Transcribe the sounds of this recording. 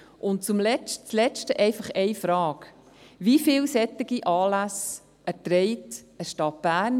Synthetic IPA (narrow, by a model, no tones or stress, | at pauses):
ʔʊnt̚t͡sʊmlɛt͡slɛt͡ʃtəʔɛɪfɑχɛɪfɾɑːk | vifɪːlsɛt̪ːɪɡ̥iʔɑːlæs | ʔɛtɾɛɪt | əʃtɑt̚b̥æːɾn